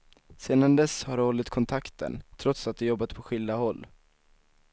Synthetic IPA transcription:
seːd̪and̪ɛshaɾɔlːɪt̪kʰɔnt̪ʰakt̪ə̰nt̪ʰɾɔt̪sat̪̚d̪ɛjɔbːat̪pʰɔɧɪld̪ahɔlː

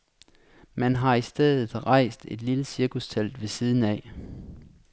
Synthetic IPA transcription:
mænɦɑ̈isd̥eðˠð̩ˠʁɑ̈ɪ̰sd̥e̝d̥liləsiɐkust͡sʰæl̰d̥ʋe̝siːð̞ˠn̩ɛ

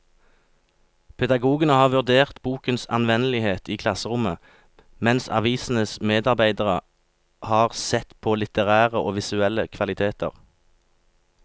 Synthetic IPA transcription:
pʰɛd̪ɑɡuːɡənəhɑːʁʋʉʁd̪eːʁt̪buːkənsɑ̰nʋɛnəlɪheːt̪iːkʰlɑsəʁʊmə | mɛnsɑ̰ʋiːsn̩əsmeːd̪ɑʁbæɪd̪əʁə | hɑːʁsɛt̪pʰoːlɪt̪əʁæːʁəʔoːʋɪsʉɛləkʰʋɑlɪt̪ʰeːt̪ə̰ʁ

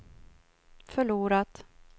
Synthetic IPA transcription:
fœɭuːɾat̪

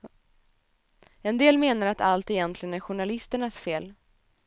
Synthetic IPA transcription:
ɛnd̪eːlmeːnaɾat̪ʰalt̪ɛjɛnt̪ʰlɪɡənæɾɧʊɳalɪst̪əɳasfeːl

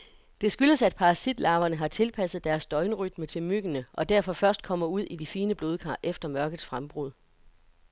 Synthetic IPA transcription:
d̥e̝sɡ̥yləsæd̥̚pʰɑ̈ʁɑsid̥lɑ̈ːʊɐnəɦɑ̈t͡sʰe̝lpʰæsð̩ˠd̥æɐsd̥ɒ̽ɪnəʁyd̥̚mət͡sʰe̝lmyɡ̥ənəʔɒ̽d̥æɐfɒ̽fɶɐsd̥̚kʰɒ̽m̰ɐuð̞̰ˠʔid̥ifiːnəb̥lo̝ːðˠkʰɑ̰̈ːʔefd̥ɐmɶɐɡ̥ð̩ˠsfʁamb̥ʁuðˠ

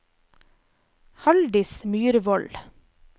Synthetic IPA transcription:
hɑld̪ɪsmyːɾʋɔl

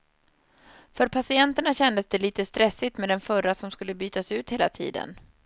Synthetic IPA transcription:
fœɾpʰasɪɛnt̪əɳaɕɛnd̪əsd̪ɛliːt̪əst̪ɾɛsːɪt̪mɛd̪ɛnfœrasɔmskɵlːəbyːt̪asʉ̟ːt̪heːlat̪ʰḭːd̪ə̰n

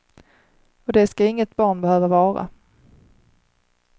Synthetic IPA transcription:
ɔd̪ɛskaɪŋːət̪bɑːɳbɛhøːvavɑːɾa̰

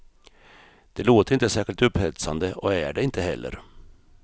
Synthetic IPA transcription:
d̪̥ɛloːt̪əɾɪnt̪əsæːʂɪlt̪ɵphɛt̪sand̪əɔæɖɛɪnt̪əɦɛlːə̰ɾ

